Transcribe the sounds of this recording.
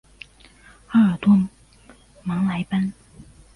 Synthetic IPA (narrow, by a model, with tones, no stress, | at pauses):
xa˥ə˞˨˩t̪wɔ˥ | mɑ˧˥ŋla˧˥ɪpa˥n